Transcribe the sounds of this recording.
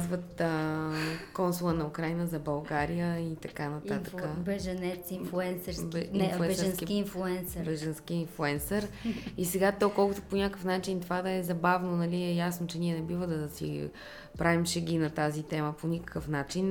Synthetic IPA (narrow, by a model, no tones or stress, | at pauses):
zvət̪ | kɔnsulˠənɐukɾajnəzɐbɐlˠɡaɾijəit̪ɐkanɐt̪at̪ə̥kəbɛʒənɛt̪sinfuɛnsɛɾbɛifuɛɾskikiinflˠuɛnsɾbɛʒənsk̟iinflˠuɛnsəɾisɛɡat̪ɔkɔlˠkʊt̪o̥ponʲakəfnat͡ʃint̪ovad̪ɐɛzɐbavnonɐliɛjasnot͡ʃɛnʲiɛnɛbivəd̪ɐsḭ | pɾavimʃɛɡʲinɐt̪azit̪ɛməponʲikə̥kəfnat͡ʃin